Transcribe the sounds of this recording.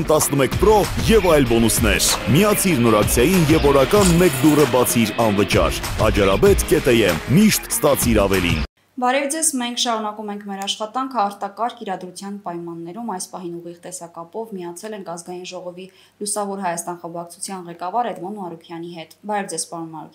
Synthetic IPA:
mt̪ɑsnəmɛkʰpɾɔjɛvɑjlbɔnusnɛɾmiɑt͡sʰiɾnɔɾɑkt͡sʰjɑjinjɛvɔɾɑkɑnmɛkd̪urəbɑt͡sʰiɾɑnvət͡ʃɑ̰ɾɑ̰d͡ʒɑɾɑbɛt̪kɛt̪ɛjɛmːiʃt̪st̪ɑt͡sʰiɾɑvɛlḭn | bɑɾɛvd͡zɛzmɛŋkʰʃɑɾunɑkumɛŋkʰmɛɾɑʃχɑt̪ɑŋkʰəɑɾt̪ɑkɑɾkiɾɑd̪ɾut͡sʰjɑnpɑjmɑnːɛɾumɑjspɑɦinuʁiʁt̪ɛsɑkɑpɔvmiɑt͡sʰɛlɛŋkʰɑzɡɑjinʒɔʁɔvi | lusɑvɔɾɦɑjɑst̪ɑnχəmbɑkt͡sʰu̥t͡sʰjɑnʁɛkɑvɑɾɛd̪mɔnmɑɾukʰjɑniɦɛt̪bɑɾɛvd͡zɛz̥pɑɾunmɑɾṵk̪ʰ

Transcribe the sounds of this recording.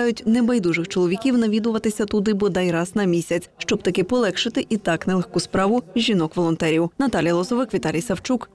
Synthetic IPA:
ɑjʊtʲnɛbɐjd̪uʒɪxt͡ʃɔlˠɔʋʲikʲiwnɐʋʲid̪ʊʋɐt̪ɪsʲɐt̪ʊd̪ɪbɔd̪ɛjɾɑz̥nɐmʲisʲɐt͡sʲʃt͡ʃɔb̚t̪ɐkɪpɔlˠɛkʃɪt̪ɪʔit̪ɑknɛlˠɛxkuspɾɑʋʊʒʲinɔkʋɔlˠɔnt̪ɛɾʲiwnɐt̪ɑlʲijɐlˠɔzɔʋɪkʋʲit̪ɑlʲijsɐwt͡ʃuk

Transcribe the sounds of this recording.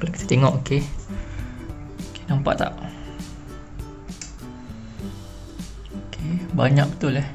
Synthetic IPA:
klaʔkit̪e̥t̪eŋɔʔoke | okenampa̰ʔt̪a̰ʔ | okʰebaɲãk̚bə̥t̪ʊlɛh

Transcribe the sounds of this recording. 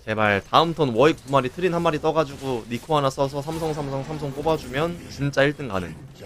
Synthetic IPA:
t͡ɕe̞maɭtaɯmtʰʌnwʌik̚p͈umaɾitʰɯɾinhanmaɾit͈ʌɡad͡ʑuɡonikʰoanasʰʌsʰʌs̬ʰamsʰʌŋsʰamsʰʌŋsʰamsʰʌŋp͈obad͡ʑumjʌnt͡ɕint͡ɕ͈aiɭt͈ɯnka̰nɯ̰n

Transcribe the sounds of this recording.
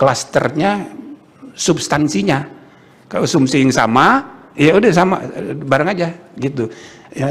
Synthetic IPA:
klast̪ərɲa | subst̪ansiɲa | kalosumsijaŋsa̰ma | jaudasama̰baɾaŋad͡ʒaɡit̪uja

